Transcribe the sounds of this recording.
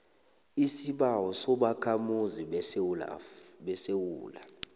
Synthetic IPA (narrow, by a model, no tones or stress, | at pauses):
isiɓawɔsɔɓakʰamuzila̰ɓɛsewuːla